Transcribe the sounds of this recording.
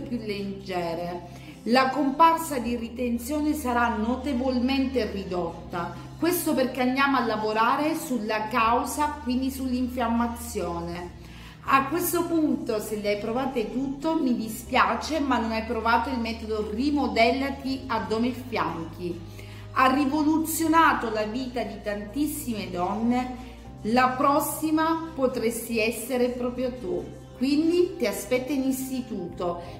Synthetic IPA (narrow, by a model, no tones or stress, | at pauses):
pjulːed͡ʒɛːɾe | lakomparsad̪irit̪ent̪sjɔːnesaɾanot̪evolment̪erid̪ot̪ːa | kwest̪operk̟eand̪jaːmoalːavoɾaːɾesulːakawzakwind̪isulːiɱfjamːat̪sːjoːne | akːwest̪opunt̪oselːiajpɾovaːt̪et̪ut̪ːomid̪ispjaːt͡ʃemanːonajpɾovaːt̪oilmɛːt̪od̪orimod̪ɛlːat̪iad̪ːɔmefja̰ŋk̟i | arːivolut̪sːjonaːt̪olaviːt̪ad̪it̪ant̪isːimed̪ɔnːe | lapɾɔsːimapot̪ɾest̪iɛsːeɾepɾɔːpɾjot̪u | kːwind̪it̪iaspɛt̪ːainist̪it̪uːt̪o